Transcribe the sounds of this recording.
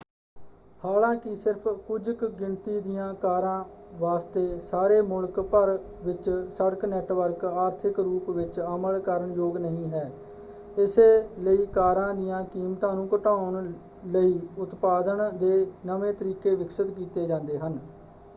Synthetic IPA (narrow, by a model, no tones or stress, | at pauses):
haːlãːkɪsɪɾpʰkʊd͡ʒkɡɪɳt̪iːd̪ɪjãːkaːɾãːʋaːst̪eːsaːɾeːmʊlkpəɾ | ʋɪt͡ʃsəɽknɛːʈʋəɾkaːɾt̪ʰɪkɾuːpʋɪt͡ʃəməlkəɾəɳjoːɡnəɦĩːɦɛː | ɪseːləiːkaːɾãːd̪ɪjãːkiːmt̪ãːnũːkəʈaːʊɳ | ləiːʊt̪paːd̪əɳd̪eːnəʋẽːt̪əɾiːkeːʋɪksət̪kiːt̪eːd͡ʒãːnd̪eːɦən